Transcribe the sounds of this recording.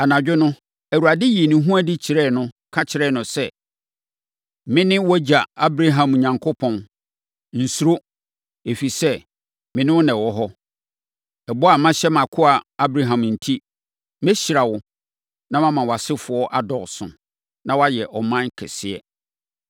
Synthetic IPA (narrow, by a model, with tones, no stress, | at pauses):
a˨nã˨d͡ʑᶣʊ˦nʊ̃˦ | æ˨wu˨a˨dɪ˦je˨nĩ˨ɦũ˦a˦di˦t͡ɕʰɪ˨ɾɛ˦˨nʊ̃˦kʰa˦t͡ɕʰɪ˨ɾɛ˦˨nʊ̃˨sɛ˦˨ | mɪ̃˦nɪ̃˦wɔ˦d͡ʑa˨a˦bɾa˦ɦã˨mɔ˨ɲã˨ŋkʰo˦pʰɔ̃˨n | n̩˨su˨ɾo˦ | e˨fi˨sɛ˦ | mɪ̃˨nɪ̃˦wʊ˦nɛ̃˨wɔ˦ɦɔ˦ | ɛ˨bɔ˦a˨mã˦ɕɛ˦mã˨kʰʊ˦a˨a˦bɾa˨ɦã˨mn̩˨tʰi˦ | mɛ˦ɕi˨ɾa˨wʊ˨ | nã˦mã˦mã˨wa˨sɪ˦fʊ˨ɔ˦ʔa˨dɔ˨ɣsʊ̰̃˨ | nã˦wa˦jɛ˨ʔɔ˨mã˦kʰɛ̰˨sɪ˦˨ɛ̰˦